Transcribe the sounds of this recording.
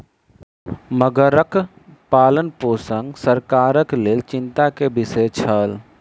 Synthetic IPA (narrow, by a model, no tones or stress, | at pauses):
məɡəɾək | paːlənpoːsəŋɡsəɾkaːɾəkleːlt͡ʃɪ̃nt̪akebɪset͡ʃʰəl